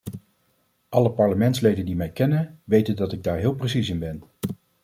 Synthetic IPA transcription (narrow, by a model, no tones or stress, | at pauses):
ʔɑləpɑɹləmɛntslejdəndimɛjkɛnənʋejtəndɑtɪɡ̚daːɹɦɪːlˠprəsisɪnbɛn